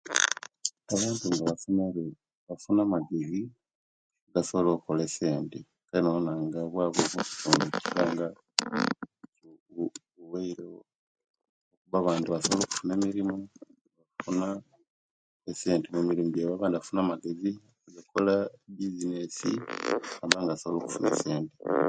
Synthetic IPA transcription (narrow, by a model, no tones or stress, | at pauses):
aβaːntuŋɡaβafune | βafunamaɡezi | ɡasoβlokolese̞ːnti | kaɾinoonaŋɡaβwaːβoβoku̥tuːnde̥ciβaːŋɡa | uweiɾe | okuβaβaːntuβasoβloːku̥fune̞ːmiɾimu | βafuna | ese̞ːntemumiɾimuɟeβaβaːndiβafunaːmaɡezi | oɡakʰolabizinesḭamaŋɡasoβloːku̥fune̞̰se̞ːnte